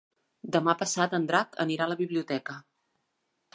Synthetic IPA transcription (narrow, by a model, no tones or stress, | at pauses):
d̪əmapəsat̪ənd̪ɾakə̰niɾaləβiβliut̪ɛkə